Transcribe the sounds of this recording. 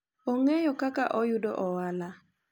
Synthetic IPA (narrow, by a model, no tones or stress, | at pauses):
oŋejɔkakaʔɔjʊdoʔɔwala